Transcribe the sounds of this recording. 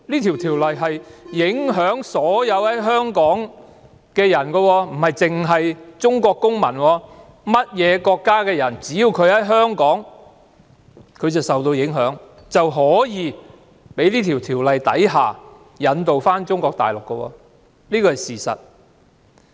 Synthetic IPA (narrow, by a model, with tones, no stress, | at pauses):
liː˥t̪ʰi˨˩wt̪ʰiː˨˩wlɐ˨jɦɐ˨jjɪ˨˥ŋɦœː˨˥ŋsɔː˨˥jɐ˨˧whɐ˨˥jɦœː˥ŋkɔː˨˥ŋ | kɛː˧jɐ˨˩nkɔ˧wɔː˧m̩˨˩hɐ˨jt͡sɪ˨ŋɦɐ˨jt͡sʊ˥ŋkɔː˧kːʊ˥ŋmɐ˨˩nwɔː˧ | mɐ˥t̚jɛː˨˧kɔː˧kːaː˥kɛː˧jɐ˨˩nt͡siː˨˥jiː˧wkʰɵ˨˧ɥhɐ˨˥jɦœː˥ŋkɔː˨˥ŋ | kʰɵ˨˧ɥt͡sɐ˨wsɐ˨wt̪o˧wjɪ˨˥ŋɦœː˨˥ŋ | t͡sɐ˨wɦɔː˨˥jiː˨˧ | pe˨˥jliː˥t̪ʰiː˨˩wt̪ʰiː˨˩wlɐ˨jt̪ɐ̰˨˥jɦa̰ː˨˩ | jɐ˨˧nt̪o˨wfaː˥nt͡ʃʊ˥ŋkɔː˧k̚t̪a̰ː˨jlʊ˨kːə˧wɔ̰ː˧ | liː˥kɔː˧˩ɐ˨jsiː˨˩sɐ̰˨t̚